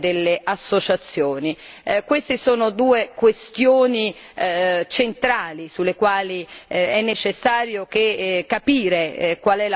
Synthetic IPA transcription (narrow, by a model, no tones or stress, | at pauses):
d̪elːeʔasːot͡ʃat̪sːjoːnikwest̪isoːnod̪uːekwest̪joːni | t͡ʃent̪ɾaːlisulːekwaːliɛnːet͡ʃesːaːɾjok̟ekapiːɾekwalɛl